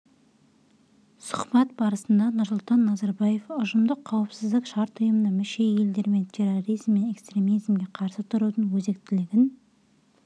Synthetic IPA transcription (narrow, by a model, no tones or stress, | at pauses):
sʊ̥qbɑt̪̚bɑɾəsənd̪ɑnʊɾsʊlˠt̪ɑnːɑzɑɾbɑje̞fʊʒəmd̪əqʰːɑwəpsɪzd̪ɪkʃɑɾt̪ʊjəmənɑmɪʃe̞je̞ld̪e̞ɾme̞nt̪ʲʰe̞roɾijzmːe̞ne̞kst̪ɾʲe̞mizmɡʲe̞qʰɑɾsət̪ʰʊɾud̪əɴwɵze̞k̚t̪ɪlɪɡʲɪn